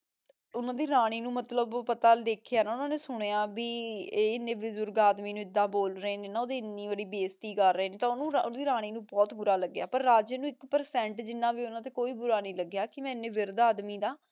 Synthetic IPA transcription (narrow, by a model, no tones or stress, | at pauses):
ʊnãːd̪iːɾaːɽ̃iːnũːmət̪ləbpət̪aːd̪eːkʰejaːnaːʊnãːneːsʊɽ̃eaːbiːeːɪnːẽːʋɪzʊɾɡaːd̪miːnũːɪd̪ːãːboːlɾəeːnẽːnaːoːd̪iːɪnːiːbəɽiːbeːst̪iːkəɾːəeːnẽːt̪ãːʊnũːɾãːd̪iːɾaːɽ̃iːnũːbɔːt̪bʊɾaːləɡːja̰ːpəɾːaːd͡ʒənũːɪkpəɾsɛ̃ːɳʈd͡ʒɪnːãːʋiːʊnãːt̪eːkoːiːbʊɾaːnĩːləɡjaːkɪmɛ̃ːɪnːẽːʋɪɾd̪aːd̪miːd̪aː